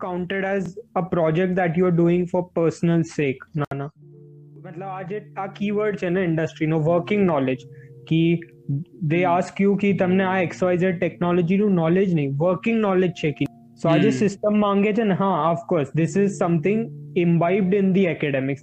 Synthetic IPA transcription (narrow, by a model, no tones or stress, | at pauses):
kãʊ̃ɳʈəɖɛzəpɾɔːd͡ʒɛk̚ʈ̚d̪æʈjuːəɾɖuːɪ̃ŋɡfɔːɾpəːɾsnəlseːknaːna | mɐt̪ləbaːd͡ʒek̪aːkiːʋəɾɖt͡ʃʰɛnaɪ̃ɳɖəsʈɾinoːʋəɾkɪ̃ŋɡnɔːled͡ʒki | d̪eːaːskjukit̪ɐmnẽaɛksaɪzəʈɛknɔːlɔd͡ʒinũnɔːled͡ʒnɐĩʋəːɾkɪ̃ŋɡnɔːled͡ʒt͡ʃʰɛki | soaːd͡ʒesɪsʈəmːãːŋɡed͡ʒɛnɦãːəfkoːɾsd̪ɪsɪzsɐ̃mt̪ʰɪ̃ŋɡɪ̃nbaɪb̚ɖɪ̃nd̪iɛkɛɖɛmɪks